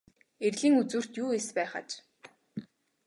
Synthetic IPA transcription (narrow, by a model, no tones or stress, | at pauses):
erɮiːŋut͡suːr̥t̪juːespæːχə̰t͡ɕ